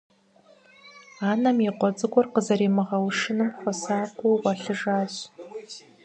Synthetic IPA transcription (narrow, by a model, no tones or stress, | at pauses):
aːnɐmiqʷɔt͡sʼɨɡʷɔrqəzɐɾeːmɨʁɐwʂɨnɨmχʷɔsaːkʷowwɐɬɨʐaːɕ